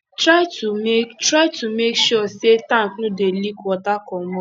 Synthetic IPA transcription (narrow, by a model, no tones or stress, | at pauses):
tɾaɪtumektɾaɪtumekʃɔsetãŋ̩knudelikɔtakɔmɔ